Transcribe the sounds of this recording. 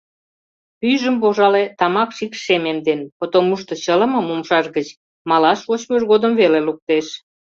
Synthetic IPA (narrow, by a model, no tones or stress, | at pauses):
pyʒəmpoʒɑlet̪ɑmɑkʃikʃememd̪enpot̪omuʃt̪ŏt͡ɕələ̆mə̆momʃɑʃɣət͡ɕ | mɑlɑʃot͡ɕmøʒɣod̪əmveleluk̚t̪eʃ